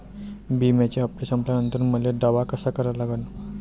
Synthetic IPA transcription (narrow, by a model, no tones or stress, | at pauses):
bimjat͡ɕeɦəpʈesəmplajnənt̪ɾnməleɖaʋakəsakəɾalaɡən